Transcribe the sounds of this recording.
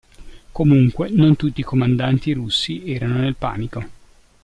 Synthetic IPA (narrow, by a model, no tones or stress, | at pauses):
komuŋkwenont̪ut̪ːiːkomand̪ant̪iɾusːiɛːɾanonelpa̰ːniko